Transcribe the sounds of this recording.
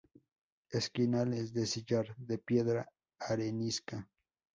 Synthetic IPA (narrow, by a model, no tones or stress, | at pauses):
eskinalesd̪esid͡ʒaɾd̪epjeðɾaː | ɾeniska